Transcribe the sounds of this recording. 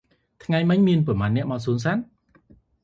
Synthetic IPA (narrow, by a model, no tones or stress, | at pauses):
t̪ʰŋajmɨɲmiənpɑmaːnːɛ̆əʔɓɑːsuːns̬aːn